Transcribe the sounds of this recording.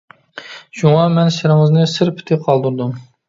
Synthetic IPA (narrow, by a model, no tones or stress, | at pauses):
ʒ̥uŋɑmɛnʃɪɾɪŋɨznɨsɪɾpʰɪ̥t̪ʰɪqʰɑlˠd̪uɾd̪um